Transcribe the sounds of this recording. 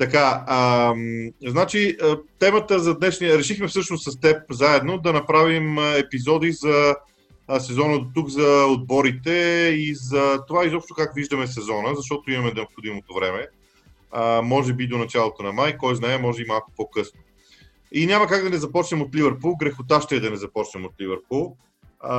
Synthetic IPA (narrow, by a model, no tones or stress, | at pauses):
t̪ɐkaəmznat͡ʃiət̪ɛmət̪əzɐd̪nɛʃnijəɾɛʃixmɛfsɤʃnossɐst̪ɛp̚zaɛd̪nod̪ɐnɐpɾavimɛpizɔd̪izɐ | sɛzɔnəd̪ot̪uɡzɐod̪̚bɔɾit̪ɛizɐt̪ovaizɔpʃt̪okakviʒd̪əmɛsɛzɔnəzɐʃ̬t̪ɔt̪oimɐmɛnɛopxod̪imot̪ovɾɛmɛ | mɔʒɛbid̪onɐt͡ʃalˠot̪onɐmajkɔjznaɛmɔʒɛbimalˠku̥pɔkɤsno | inʲamɐkaɡd̪ɐnɛzɐpɔt͡ʃnɛmot̪livəɾpulˠɡɾɛxʊt̪aʃt̪ɛːd̪ɐnɛzɐpɔt͡ʃnɛmot̪livɛɾpulˠ